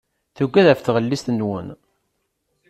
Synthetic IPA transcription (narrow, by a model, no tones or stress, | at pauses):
θuɡːæðæfθʁəlːist̪nwə̰n